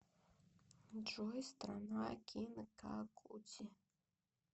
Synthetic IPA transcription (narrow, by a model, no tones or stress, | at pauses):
d͡ʒɔjst̪ɾanakʲʰinɨka̰kʰut͡sʲi